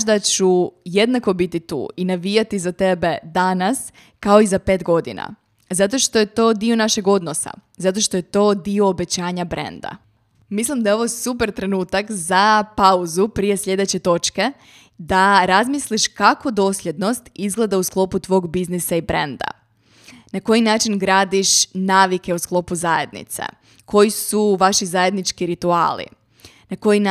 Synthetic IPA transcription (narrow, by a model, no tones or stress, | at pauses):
ʃd̪at͡ɕuje̞d̪nako̞bit̪it̪ṵːinaʋijat̪izat̪e̞be̞d̪anas | kao̞izape̞ːt̪ɡo̞d̪ḭna̰ | zat̪o̞ʃt̪oje̞t̪o̞ːd̪io̞naʃe̞ɡo̞d̪no̞sa̰zat̪o̞ʃt̪o̞je̞t̪o̞ːd̪io̞ːbe̞t͡ɕaːɲabɾe̞̰nd̪a̰ | mislˠimd̪ajeo̞ʋo̞supe̞ɾt̪ɾe̞nuːt̪akzapauzupɾije̞sʎe̞d̪e̞t͡ɕe̞t̪o̞t͡ʃke̞ | d̪aɾazmisliʃkako̞d̪o̞ːslʎʲje̞d̪no̞st̪izɡle̞d̪ausklˠo̞put̪ʋo̞ːɡbiznisaibɾend̪a̰ | nako̞jinaːt͡ʃinɡɾaːd̪iʃnaːʋike̞usklˠo̞puzaje̞̰d̪nḭt̪sḛ | kʰo̞jisuʋaʃizaje̞d̪nit͡ʃkiɾit̪ua̰ːlḭ | nako̞ji